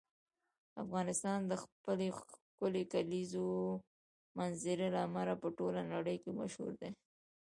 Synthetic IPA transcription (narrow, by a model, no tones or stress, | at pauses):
a̰fɣɑnɪst̪ɑnd̪əxpəlekʊlekalizo | manzɪɾelaːmalapəʈolanaɽəjkema̰ʃhṵɾd̪e